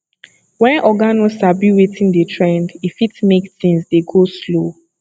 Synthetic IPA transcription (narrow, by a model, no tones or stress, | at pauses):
wɛ̃nʔɔɡanɔsabiwetʰĩndetʰɹɛ̃ndifitmekθĩnsdeɡoslo